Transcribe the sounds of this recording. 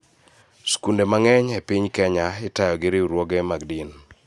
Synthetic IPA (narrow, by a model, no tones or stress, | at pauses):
skundemaŋɛɲɛpɪɲkɛɲaɪtajɔɡɪɾɪuɾwoɡemaɡdin